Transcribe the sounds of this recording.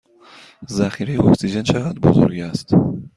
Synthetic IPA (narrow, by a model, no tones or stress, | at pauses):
zæxiɾejeoksid͡ʒent͡ʃʰeɣæd̪ɾbo̰zo̰ɾɡæst̪